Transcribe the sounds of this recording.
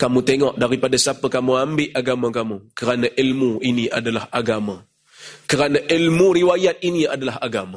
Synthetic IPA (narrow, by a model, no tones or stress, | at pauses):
kamũt̪eŋɔʔdaɾipadasapəkamuambɪʔaɡamãkamukəɾanaʔilmuiniʔa̰dalahaɡama | kəɾanaʔilmuɾiwajat̪̚iniadalaɦaɡama